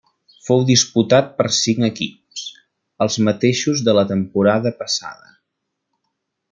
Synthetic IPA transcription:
fowðisput̪at̪̚pəɾsiŋəkips | əlˠzmət̪eʃuzðələt̪əmpuɾaðəpəsa̰ðə̰

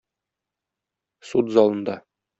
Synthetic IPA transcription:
sut̪zɒlˠɤ̆nd̪ɑ

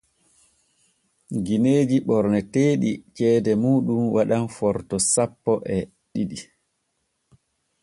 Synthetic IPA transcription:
ɡineːd͡ʒiɓɔɾnɛteːɗit͡ʃɛːdɛmuːɗumwaɗanfɔɾtɔsapːɔʔɛ | ɗiɗi

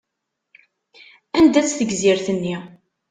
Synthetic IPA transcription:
ænd̪æt͡sːθəɡziɾθənːi

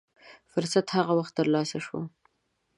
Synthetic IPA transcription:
fʊɾsat̪haɣawaxt̪ːəɾlɑsaʃwo̰

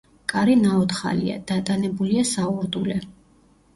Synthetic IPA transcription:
kʼaɾinaɔt̪χa̰lḭa̰d̪̥at̪ʼanɛbuliasauɾd̪ulɛ

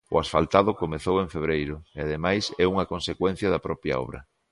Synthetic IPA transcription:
ʊ̰asfalt̪aðʊkomeθoweɱfeβ̞ɾejɾʊeaðemajsɛuŋɐkonsekwɛn̟θjɐðɐpɾɔpjɐ̰ɔ̰β̞ɾɐ̰

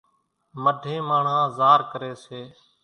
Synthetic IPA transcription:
məɖʱẽːmaːɳ̤ãːzaːɾkəɾeːseː

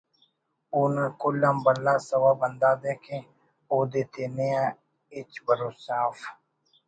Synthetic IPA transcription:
uːnãkʊlːãːmbəlːaːsəwaːbənd̪aːd̪eːkʰẽː | oːd̪eːt̪ʰeːneãː | ɪt͡ʃbəɾoːsaːf

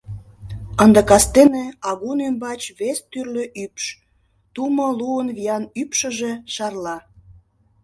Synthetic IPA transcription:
ənd̪əkɑst̪eneɑɣunembɑt͡ɕβest̪yrløʔypʃ | t̪umə̆luənβijɑnypʃə̆ʒe̽ʃɑrlɑ

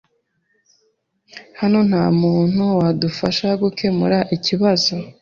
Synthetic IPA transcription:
hano̞n̥haːmuːn̥huwadufaʃaɡukʰe̞mṵɾaʔiciβazo̞

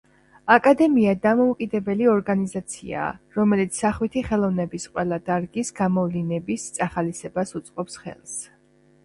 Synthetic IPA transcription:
akʼad̪ɛmiad̪amɔukʼid̪ɛbɛliɔɾɡanizat̪sʰḭa̰ɾɔmɛlit̪sʰːaχwit̪ʰiχɛlˠɔvnɛbisqʼwɛlˠad̪̥aɾɡisɡamɔvlinɛbist̪sʼaχalisɛbasut̪sʼqʼɔpsχɛ̰lˠs

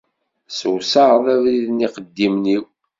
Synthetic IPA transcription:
səwsɑʁðævɾiðniqəd̪ːimniw

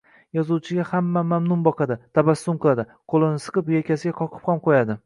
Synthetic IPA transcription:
jɒzuwt͡ʃʰɪɡʲahamːamamnʊnbɒqʰɑd̪ɪt̪ʰabasːʊmqɨlˠad̪ɪ | qʰolˠɪnɪsɨ̥qɨpjekʲʰasɪɡʲaqʰɒqʰɨ̥pχɒmqʰojad̪ɪ

